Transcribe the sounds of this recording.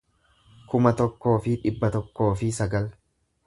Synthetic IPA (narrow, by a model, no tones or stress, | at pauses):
kʊmɐt̪ɔkːo̞ːfɪᶑɪbːɐt̪ɔkːo̞ːfɪsɐɡɐl